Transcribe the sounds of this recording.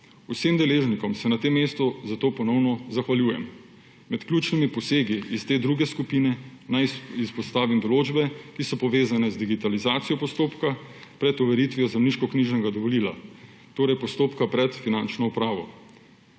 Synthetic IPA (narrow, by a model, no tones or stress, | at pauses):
usemd̪ɛleːʒnikɔmsɛnat̪emːest̪ɔzat̪oːpɔnɔwnɔzaxʋaljuːjɛ̰m | mɛt̪klʲjuːt͡ʃnimipɔseːɡiːst̪eːd̪ɾuɡɛskupiːnɛnajispɔst̪aːʋimd̪ɔloːd͡ʒbɛkisɔpɔʋeːzanɛzd̪iɡit̪alizaːt̪sijɔpɔst̪oːpkapɾɛt̪ɔʋɛɾit̪ʋijɔzɛmniːʃkɔkniʒnɛɡad̪ɔʋɔliːla̰ | t̪oːɾɛjpɔst̪oːpkapɾɛt̪finant͡ʃnɔupɾaːʋɔ̰